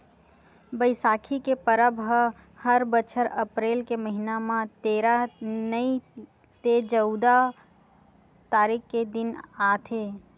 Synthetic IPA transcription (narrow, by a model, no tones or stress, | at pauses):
bəɪsaːkʰikepəɾəbʱɦə | həɾbət͡ʃʰəɾəpɾeːlkeməɦinamãt̪eːɾanəi | t̪ed͡ʒəʊd̪a | t̪aːɾiːkked̪ɪnaːt̪ʰeː